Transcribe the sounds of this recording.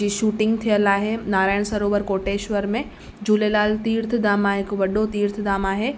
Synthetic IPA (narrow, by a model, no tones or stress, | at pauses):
iːʃuːʈɪ̃ŋɡt̪ʰijəlaːɦenaːɾaːɪɽ̃sɐɾoːʋəɾkoːʈeːʃʋəɾmẽ | d͡ʑuːlelaːlt̪iːɾt̪ʰd̪aːmaːɦɪkʋɐɗot̪iːɾt̪ʰɪd̪aːmaːɦe